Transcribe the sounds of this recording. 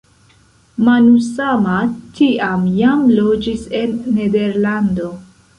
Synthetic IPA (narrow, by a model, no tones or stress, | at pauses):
manusamatʰiamjamlo̞d͡ʒise̞nːe̞de̞ɾlando̞